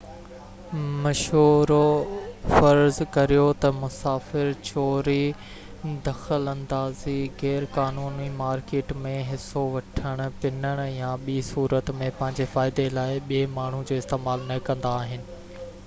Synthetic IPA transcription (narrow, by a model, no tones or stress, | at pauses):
mɐʃɦuːɾofɐɾzkɐɾijot̪ɐmʊsaːfɪɾt͡ɕoːɾi | d̪ɐxəlɐ̃nd̪aːziɣɛːɾkaːnuːnimaːɾkeːʈmẽɦɪsoʋɐʈʰəɽ̃ʊ̆pɪnəɽ̃ʊjãɓiːsuːɾət̪mẽpɐ̃ɦɪ̃ɲd͡ʑefaːɪd̪elaːɪɓiemaːɳ̤ud͡ʑoːɪst̪eːmaːlnɐkɐ̃nd̪aːɦɪnɪ̆